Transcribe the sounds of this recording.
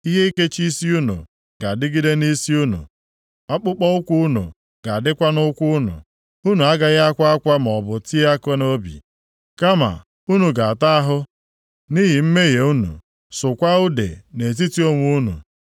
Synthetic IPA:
i˦ɦe˦i˦ke˦t͡ʃi˦si˦u˦nṵ˨ | ɡ̥a˨dɪ˦ɡi˦de˦ni˦si˦u˦nṵ˨ | ɔ˦k͡pʊ˦k͡pɔ˦ʊ˦kʷu˦ʊ˦nṵ˨ | ɡ̥a˨dɪ˦kʷa˦nʊ˦kʷu˦ʊ˦nʊ̰˨ | u˦nu˨a˦ɡa˨ɣa˦a˦kʷa˦a˦kʷa˦m˨ɔ˨bʊ˨ti˦a˦kɔ˦no˦bḭ˨ | ka˦ma̰˨ | u˦nu˨ɡa˨a˨ta˦a˦ɦʊ˦ | ni˦ɦi˨m̩˦me˦ɣe˨u˦nṵ˨ | sʊ˨kʷa˦ʊ˦dḛ˨ne˨t̬i˦ti˦o˦ŋʷ˨˦u˦nṵ˨

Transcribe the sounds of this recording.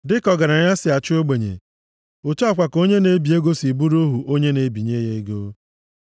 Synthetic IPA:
dɪ˦kɔ˨ɡa˨ɾa˨ɲa˦sɪ˨a˨t͡ʃɪ˦o˦ɡ͡be˨ɲḛ˨ | o˨tu˦a˨kʷa˨ko˦ɲe˦ne˦bi˨e˦ɡo˦si˨bu˦ɾo˦ɦu˨ʔo˦ɲe˦ne˨˦bi˨ɲe˦je˦e˦ɡo˦

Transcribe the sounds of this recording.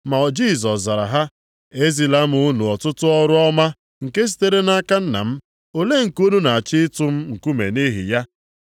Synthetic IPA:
ma˨ɔ˨d͡ʒi˦s̬ɔ˨sza˨ɾa̰˨ɦa˦ | e˦zi˨la˦m̩˦ʊ˦nu˨ɔ˨tʊ˦tʊ˦ɔ˦ɾʊ˦ɔ˦ma˦ | ŋ̩˨ke˦s̬i̥˦te˦ɾe˦na˦ka˦n̩˦na̰˨m̩˦ | o˦le˦ŋ̩˨ku˦nu˦na˨a˨t͡ʃɪ˦tʊ˦m̩˦ŋ̩˨ku˦mḛ˨ni˦ɦḭ˨ja˦

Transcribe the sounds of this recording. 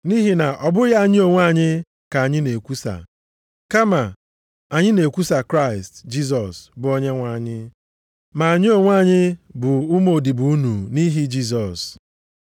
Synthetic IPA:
ni˦ɦi˦na˨ʔɔ˨bʊ˦ja˦˨ɲɪ˦o˨ŋʷ˦a˦˨ɲɪ˦ | ka˨a˨ɲɪ˦ne˨kʷu˦sa̰˨ | ka˦ma˨ | a˨ɲɪ˦ne˨kʷu˦sa˨kɾa˦ɪ˨std͡ʒi˦s̬ɔ˨sbʊ˨ɔ˦ɲe˦ŋʷa˨ɲɪ˦ | ma˨a˨ɲɪ˦o˨ŋʷ˦a˦˨ɲɪ˦bʊ˨ʊ˦mo˨di˨bu˨u˦nu˨ni˦ɦi˦d͡ʒi˦s̬ɔ˨s

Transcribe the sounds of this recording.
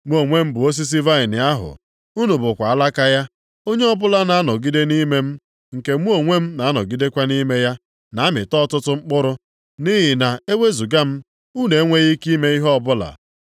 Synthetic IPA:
mʷ˦o˨ŋʷe˦m̩˦bʊ˨o˦s̬i˦s̬i˦va˦ɪ˨nɪ˨a˦ɦʊ̰˨ | u˦nu˨bʊ˨kʷa˨a˦la˦ka˦ja˦ | o˦ɲe˦ɔ˦bʊ˦la˦na˨a˦nɔ˨ɡi˦de˦ni˦me˦m̩˦ | ŋ̩˨ke˨mʷu˦o˨ŋʷe˦m̩˦na˨˦a˦nɔ̰˨ɡi˦de˦kʷa˦ni˦me˦ja˦ | na˨a˦mɪ̰˨tɔ˦tʊ˦tʊ˦ŋ͡m̩˦k͡pʊ˦ɾʊ˦ | ni˦ɦɪ˨na˨e˦wʷe˦zu˨ɡa˦m̩˦ | u˦ne˨˦ŋʷe˦ɣi˦ki˦me˦i˦ɦɔ˦ɔ˦˨bʊ˦la̰˨

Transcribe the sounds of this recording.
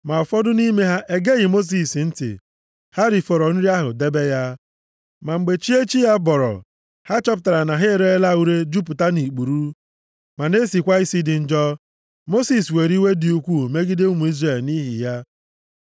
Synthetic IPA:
ma˨ɔ˨fɔ˦dʊ˦ni˦me˦ɦa˦ʔe˦ɡe˦ɣɪ˨mo˦s̬i˨sn̩˦tɪ̰˨ | ha˦ɾi˨fɔ˨ɾɔ˨n̩˦ɾi˦a˦ɦʊ̰˨de˦be˦ja˦ | ma˨ŋ͡m̩˨ɡ͡be˨t͡ʃi˦e˦t͡ʃi˦ja˦bɔ˨ɾɔ̰˨ | ha˦t͡ʃɔ˦p̬ʊ˨ta˨ɾa˨na˨ɦe˦˨ɾe˦e˦la˦˨u˦ɾe˦d͡ʒu˦p̬ʊ˨ta˦ni˨k͡pu˨ɾu˦ | ma˨ne˦si˨kʷa˦i˦si˦dɪ˨n̩˨d͡ʒɔ˦ | mo˦si˨swe˨ɾi˦we˦di˨u˦kʷu˦˨me˦ɡɪ˦dɪ˦u˦mu˨i˦zre˨lni˦ɦḭ˨ja˦

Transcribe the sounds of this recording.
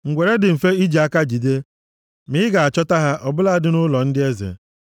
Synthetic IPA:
ŋ̩˨ɡʷe˨ɾe˦dɪ˨m̩˨fe˦i˦d͡ʒi˨a˦ka˦d͡ʒi˨de˦ | mɪ˦ɪ˦ɡa˨a˨t͡ʃɔ˦ta˦ɦa˦ʔɔ˨bʊ˦la˦dɪ˨nʊ˦lɔ˨n̩˦dɪ˦e˦zḛ˨

